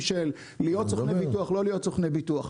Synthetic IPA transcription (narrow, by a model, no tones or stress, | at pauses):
ʃelː | ijott͡soχnebituaχlo̞lijo̞tt͡soχnebituaχ